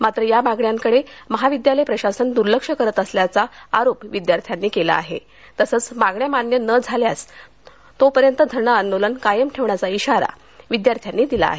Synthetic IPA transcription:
mat̪ɾəjamaɡɳjaŋkəɽeməɦaʋid̪jaləjpɾəɕasənd̪uɾləkʂəkəɾət̪əsljat͡saaɾopʋid̪jaɾt̪ʰjanːiːkela̰ːɦḛ | t̪əsəːt͡smaɡɳjamanjənəd͡zʱaljas | t̪opəɾjənt̪əd̪ʱəɾɳəənːolənkajəmʈʰeʋɳjat͡saiɕaɾa̰ | ʋid̪jaɾt̪ʰjanːiːd̪ila̰ːɦe

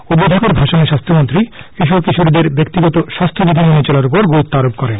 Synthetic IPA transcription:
ud̪ːod̪ʱakoɾbʱaʃoneʃast̪ʰomont̪ɾikiʃ̬oɾkiʃoɾid̪eɾbek̚t̪iɡɔt̪oʃast̪ʰobibʱinonet͡ɕɔlaɾupoɾɡoɾut̪ːaɾop̚kɔɾen

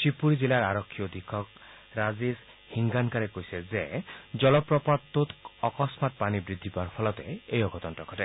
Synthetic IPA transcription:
sipuɾid͡ʒilaɾaɾɔkʰːijɔd̪ikʰːɔk | ɾazis | hiŋɡaŋkaɾekojsezed͡ʒɔlɔpɾɔpatt̪ːut̪ɔkɔsmat̪̚panibɾid̪ʱːipaɾpʰɔlɔt̪eejɔɡɔt̪ɔnʈɾɔkʰɔʈe

